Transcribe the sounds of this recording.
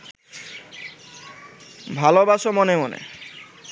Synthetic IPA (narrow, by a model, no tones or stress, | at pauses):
bʱalobaʃomɔnemonḛ